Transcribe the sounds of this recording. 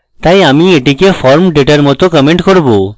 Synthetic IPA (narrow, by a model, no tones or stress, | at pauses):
t̪ajamieʈikefɔɾmɖeʈaɾmɔt̪okɔmeɳʈkoɾbo